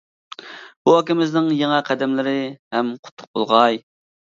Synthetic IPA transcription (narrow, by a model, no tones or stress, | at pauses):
b̥uɦɑkʲɪmɪznɪŋjeŋɛqʰæd̪ɛmlɪɾɪhɛmqʰʊ̥t̪ʰːʊ̥q̚bolˠʁɑj